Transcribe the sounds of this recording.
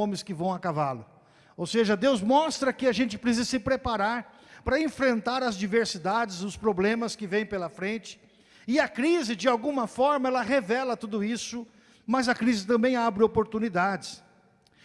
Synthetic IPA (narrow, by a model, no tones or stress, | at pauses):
õmɪskɪvɐ̃w̃ɐkavalʊ | owseʒɐd̪ewzmɔst̪ɾɐkɪaʒẽnt͡ʃɪ̥pɾesizɐsɪpɾepaɾaɾ | pɾɐẽfɾẽnt̪aɾɐzd͡ʒiveɾsid̪ad͡ʒɪzʊspɾoblẽmɐskɪvẽj̃pelɐfɾẽnt͡ʃɪ̥ | ɪɐkɾizɪd͡ʒɪawɡũmɐfɔɾmɐɛlɐɦevɛlɐt̪ud̪ʊisʊ | mɐzɐkɾizɪt̪ɐ̃mbẽj̃abɾɪopoɾt̪unid̪ad͡ʒɪs